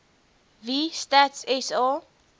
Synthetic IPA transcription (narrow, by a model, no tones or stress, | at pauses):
vistatsɛsɑ